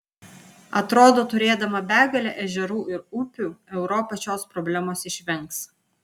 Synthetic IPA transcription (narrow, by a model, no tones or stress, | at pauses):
ɐt̪ɾoːd̪oːt̪ʊɾʲeːd̪ɐmɐbʲæːɡɐlʲɛʔɛʒʲɛɾuːʔɪɾʊpʲuːɛʊɾɔpɐt͡ʃʲoːspɾɔbʲlʲæmoːsɪʃʲʋʲɛŋˑks